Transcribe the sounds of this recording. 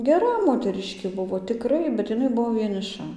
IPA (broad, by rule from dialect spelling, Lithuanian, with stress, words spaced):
ɡʲɛˈrɐ moːtʲɛˈrʲɪʃʲkʲeː ˈbʊʋoː tʲɪˈkrɐɪ bʲɛt ɪˈnɐɪ ˈbʊʋoː ʋʲiɛnʲɪˈʃɐ